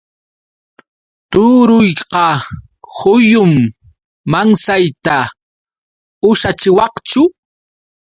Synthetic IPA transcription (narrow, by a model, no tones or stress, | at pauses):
t̪ʊɾʊjqɑ | hʊjʊmː | aŋsajt̪a | ʊʃat͡ʃɪwɑqt͡ʃʊ